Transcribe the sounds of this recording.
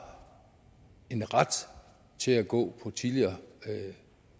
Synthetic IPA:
e̝nʁad̥ | t͡sʰe̝læɡ̥ɔ̰̽ːpʰɒ̽t͡sʰiliɐ

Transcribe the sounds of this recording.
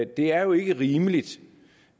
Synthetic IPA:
d̥e̝æɐjo̝e̝ɡ̥əʁiːməlid̥

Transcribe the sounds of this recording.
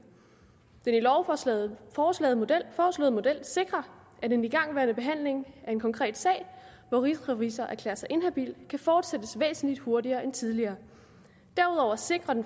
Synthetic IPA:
d̥enilɒʊ | ɒːslɛ̰ːð̩ˠofɒːslɔ̰ðˠmo̝d̥el̰se̝ɡ̥ʁɐ | ʔæd̥eniɡ̥ɑ̈ŋ̰ʋæːɐnəb̥e̝ɦæn̰le̝ŋæɐe̝nkʰɒ̽ŋkʰʁɛ̰ːd̥sɛ̰ːɪ | ʋɒʁisʁʁisɐʔæɐkʰlḛːɐsɑ̈ɪʔe̝nɦæb̥ḭld̥kʰæfɒːd̥sed̥əsʋḛːsn̩lid̥ho̝ɐdiɐːent͡sʰiðˠliɐː | d̥æɐuðˠɒʊ̰ɐse̝ɡ̥ʁɐd̥en

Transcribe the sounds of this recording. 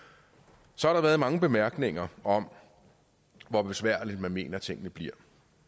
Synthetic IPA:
sɒɑ̈ɾɑ̈ʋæːɐðˠmɑ̈ŋəb̥e̝mæɐɡ̥ne̝ŋɐɒ̽m | ʋɒb̥e̝sʋæɐ̰lid̥̚mænme̝̰ːnɐt͡sʰe̝ŋ̰ənəb̥liɐ̰

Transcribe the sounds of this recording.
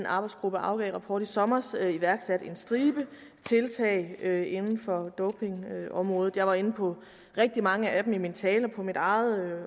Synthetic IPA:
nʔɑ̈ːb̥ɑ̈ɪd̥sɡ̥ʁub̥əʔɑ̈ʊɡ̥ɛ̰ɪʁɑ̈pʰɒ̰ːd̥isɒ̽mɐsiʋæɐɡ̥sæd̥e̝nsd̥ʁiːb̥ə | t͡sʰe̝lt͡sʰɛ̰ːɪøe̝nn̩fɒ̽d̥ɔʊpʰe̝ŋɒ̽mʁɔ̽ːð̩ˠjɑɪʋɑ̈e̝nəpʰɒ̽ | ʁeɡ̥̚d̥imɑ̈ŋəʔæd̥m̩imint͡sʰɛːlɐpʰɒ̽mid̥ɑ̈ɪð̩ˠ

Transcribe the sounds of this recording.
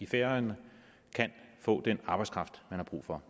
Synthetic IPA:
ifeɐn | kʰænfɔ̰̽ːd̥enɑ̈ːb̥ɑ̈ɪskʰʁɑ̈fd̥mænhɑ̈b̥ʁṵːfɒ̽

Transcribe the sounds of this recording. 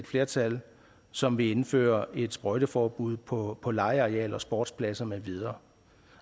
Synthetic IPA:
ed̥fle̝ɐt͡sʰæl | sɒ̽mʋe̝e̝nfø̰ːɐʔe̝d̥sb̥ʁɒɪɾ̥əfɒːb̥uð̞̰ˠpʰpʰɒ̽lɑ̈ɪəɑ̈ʁɛ̰ːlɒ̽sb̥ɒ̰ːd̥spʰlæsɐmeʋið̞ˠɐː

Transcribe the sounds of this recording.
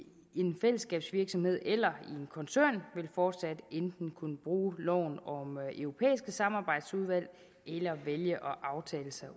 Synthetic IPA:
e̝nfel̰əsɡ̥ɛ̰ːb̥sʋiɐɡ̥sɒ̽mhe̝ð̞̰ˠelɐie̝nkʰɒ̽nsøɐ̰nʋe̝lfɒːd̥sæd̥end̥n̩kʰunəb̥ʁuːlɒ̰ʊ̰nɒ̽mʔøʊʁo̝pʰḛːisɡ̥əsɑ̈mɑ̈ːb̥ɑ̈ɪ̰d̥suð̞ˠʋæl̰ | elɐʋeljəʔɒ̽ʔɑ̈ʊt͡sʰɛ̰ːləsɑ̈ɪ

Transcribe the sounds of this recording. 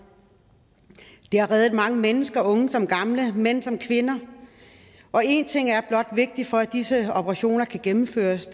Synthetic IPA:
d̥e̝ɑ̈ʁɛːð̩ˠmɑ̈ŋəmenəsɡ̥ɐɔ̽ŋəsɒ̽mɡ̥ɑ̈mləmen̰sɒ̽mkʰʋe̝nɐ | ʔɒ̽e̝nt͡sʰe̝ŋ̰æɐb̥lɒ̽d̥ʋe̝ɡ̥̚d̥ifɒ̽ædd̥isəɒb̥ʰəʁɑ̈ɕo̝̰ːnɐkʰæɡ̥emm̩fø̰ːɐs

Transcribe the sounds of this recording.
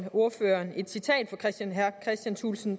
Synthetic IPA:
o̝ɐføːɐːne̝d̥sit͡sʰɛ̰ːd̥fɒ̽kʰʁɛsd̥ænɦæɐkʰʁɛsd̥jænsʰṵlsn̩

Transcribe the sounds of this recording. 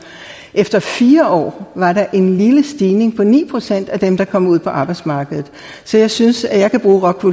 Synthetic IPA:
ʔefd̥ɐfiːɐʔɒ̰ːʋɑ̈ɾɑ̈ʔe̝nliləsd̥iːne̝ŋpʰɒ̽nḭːpʰʁo̝sen̰d̥æd̥emd̥ɑ̈kʰɒ̽muð̰ˠpʰɒ̽ʔɑ̈ːb̥ɑ̈ɪdsmɑ̈ːɡ̥əðð̩ˠ | sɒ̽jɑ̈ɪsynsæjɑ̈ɪkʰæb̥ʁuːʁɒ̽ɡ̥ʰʋu

